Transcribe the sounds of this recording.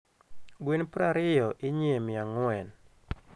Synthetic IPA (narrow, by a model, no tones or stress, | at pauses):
ɡwinpɾaɾɪjɔʔɪɲjemɪaŋwɛn